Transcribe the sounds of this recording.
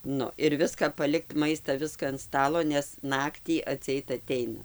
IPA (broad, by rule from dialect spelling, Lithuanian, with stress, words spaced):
ˈnʊ ɪr ˈʋʲɪskɐ pɐˈlʲɪkt ˈmɐɪstɐ ˈʋʲɪskɐ ɐn ˈstɑːlˠoː nʲɛs ˈnɑːktʲiː ɐtʲsʲɪˈɛɪt ɐˈtʲɛɪnɐ